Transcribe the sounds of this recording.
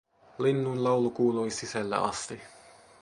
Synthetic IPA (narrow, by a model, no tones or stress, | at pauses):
linːuinlɑwlukuːluisisælːæ̰ʔɑ̰st̪i